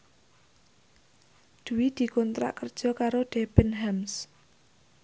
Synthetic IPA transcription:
d̪̥uwid̪̥i̤kɔnt̪ɾa̰ʔkərd̥ʒ̥ɔ̤kaɾoɖ̥eb̥ənɦɛms

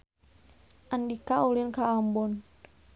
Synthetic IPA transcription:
ʔandikaulinkaːmbɔn

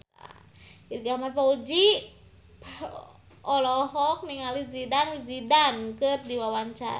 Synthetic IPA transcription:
a̰ | irɡamarpaud͡ʒi | ɔlɔɦɔk̚niŋalid͡ʒidand͡ʒidankɨrdiwawaɲt͡ʃa̰

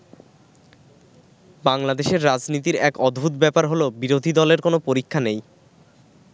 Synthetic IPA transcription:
baŋlad̪eʃeɾːad͡ʑnit̪̬iɾɛkɔd̪bʱut̪bɛpaɾɦolobiɾod̪ʱid̪ɔleɾkonopoɾikʰːanej

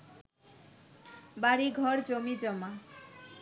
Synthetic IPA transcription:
baɾiɡʱɔɾd͡ʑomid͡ʑɔma

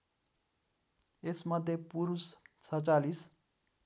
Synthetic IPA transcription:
esmʌd̪ʱjepuɾust͡sʰʌt͡salis

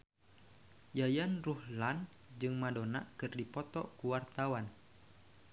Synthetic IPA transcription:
jajanruhlan | d͡ʒɨŋmadona̰kɨrdipɔt̪ɔkuwart̪awan

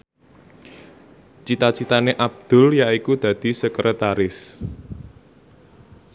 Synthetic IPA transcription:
t͡ʃit̪at͡ʃit̪aneʔab̚d̪̥ʊ̤ljaikud̪̥ä̤d̪̥i̤səkɾət̪aɾɪs

